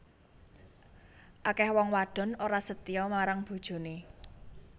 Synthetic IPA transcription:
ʔakɛhwɔŋwaɖ̥ɔ̤noɾasət̪iɔmaɾaŋb̥ṳd̥ʒ̥o̤ne

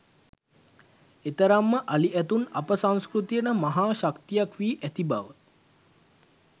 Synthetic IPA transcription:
et̪əɾamːəʔaliʔɛt̪unapəsaŋskɾut̪ijənəmaɦaːʃakt̪ijakʋiːʔæt̪ibaʋə

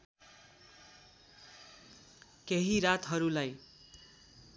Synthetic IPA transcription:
keɦiɾat̪ɦʌɾulaj

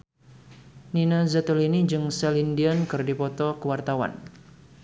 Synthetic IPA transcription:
ninazat̪əlinid͡ʒɨŋsɛlindiankɨrdipɔt̪ɔkəwart̪awa̰n

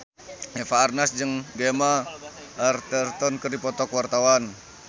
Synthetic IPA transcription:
ɛfaːrnasd͡ʒɨŋɡemaː | rt̪ɛrt̪ɔnkərdipɔt̪ɔkwart̪awan

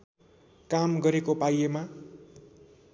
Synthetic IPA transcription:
kamɡʌɾekopajema

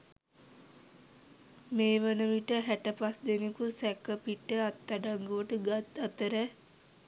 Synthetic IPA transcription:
meːʋənəʋiʈəɦæʈəpasd̪enekusɛkːəpiʈːəat̪ːaɖaŋɡuʋəʈəɡat̪ət̪əɾɛ

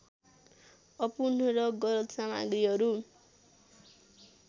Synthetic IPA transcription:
ʌpunʌɾʌɡʌlʌt̪sama̰ɡɾiɦʌɾu

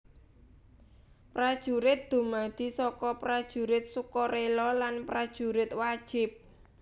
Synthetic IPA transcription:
pɾad̥ʒ̥ṳɾɪt̪̚d̪̥o̤mad̪̥i̤sɔkɔpɾad̥ʒ̥ṳɾɪt̪̚sukɔɾelɔlanpɾad̥ʒ̥ṳɾɪt̪̚wad̥ʒ̥ɪp̚

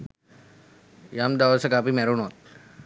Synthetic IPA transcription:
jamd̪aʋəsəkapiːmɛɾunot̪̚

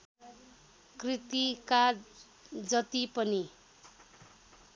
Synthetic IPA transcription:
krit̪ika | d͡zʌt̪ipʌni

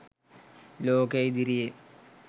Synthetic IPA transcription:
loːkɐjd̪iɾije

